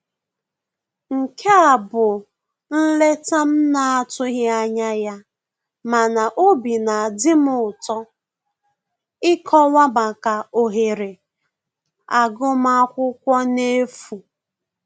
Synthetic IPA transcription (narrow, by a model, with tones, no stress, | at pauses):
ŋ̩˨kʰe˦a˨bʊ˨ | n̩˦le˦ta˦m̩˦na˨a˦tʊ˦ɣɪ˦a˦ɲa˦ja˦ | ma˨na˨ʔo˦bi˨na˨a˨dɪ˦mʊ˦˨ʊ˨tɔ˦ | ɪ˦kʰɔ˦wa˦ba˨ka˨o˨ɦe˨ɾe˨ | a˨ɡʊ˦m̩˦a˦kʷʊ˦kʷɔ˦ne˦fu˨